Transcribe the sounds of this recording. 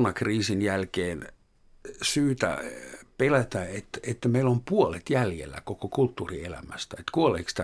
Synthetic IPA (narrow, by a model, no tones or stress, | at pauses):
nɑkriːsinjælkeːn | syːt̪æ̰pelæt̪æet̪et̪ːmeilompuolet̪jæljḛlːæ̰kokokult̪ːuːrielæ̰mæst̪æet̪kuoleikst̪æ